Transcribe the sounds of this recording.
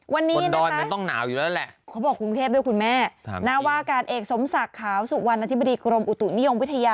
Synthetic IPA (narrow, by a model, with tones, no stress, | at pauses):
wa˧nːiː˦˧˦nadɔ˦ɔː˧jkʰa˧t̪ɔ˥˩ŋna̰ː˩˦wjuː˨˩lɛː˦˥˦lɛ˨˩ʔkʰa˦˥bɔː˨˩kːu˧nt̪ʰeː˥˩p̚du˥˩jku˧nmɛ̰ː˥˩˦na˦˥˩waː˥˩kaː˧nʔeː˨˩k̚so˨˩˦msa˨˩kʰːaː˨˩˦wsu˨˩wa˧nʔa˧i˦˥ba˧diː˧kɾo˧mʔu˨˩t̪u˨˩ʔni˦˥jo˧mwi˦˥t̪ʰːa˧jaː˧